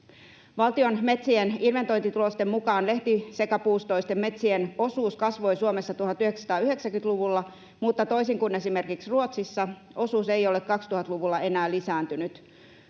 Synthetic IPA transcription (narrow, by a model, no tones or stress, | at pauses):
ʋɑlt̪ionme̞t̪sieninʋe̞nt̪o̞jnt̪it̪ulost̪e̞mmukɑːnleht̪isekæpuːst̪o̞ist̪e̞mːe̞t̪sieno̞suːskɑsʋo̞jsuomesːɑt̪uhɑt̪ːyheksɑt̪ɑːyɦeksæŋkynt̪luʋulːɑ | mut̪ːɑt̪o̞isiŋkune̞sime̞rkiksruot̪sisːɑ | o̞suːsejo̞lekkɑkst̪uhɑt̪luʋulːɑe̞næːlisæːnt̪ynyt̪